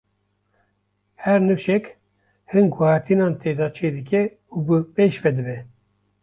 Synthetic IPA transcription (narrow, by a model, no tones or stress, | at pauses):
hɛɾnɨʃɛk | hɨnɡʊhɑːɾt̪ʰinɑːnt̪ʰeːd̪ɑːt͡ʃʰeːd̪ɨk̬ʲɛ | ubɨpeːʃvɛd̪ɨbɛ